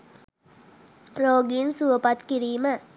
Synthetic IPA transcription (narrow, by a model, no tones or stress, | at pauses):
roːɡinsuʋəpat̪kiɾiːmə